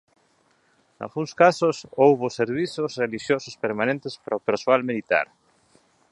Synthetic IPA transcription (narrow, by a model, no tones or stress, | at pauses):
na̰lɣũŋskasʊsowβʊseɾβiθʊsreliʃjosʊspeɾmãnẽnt̪espɾaopeɾsoalmilit̪a̰ɾ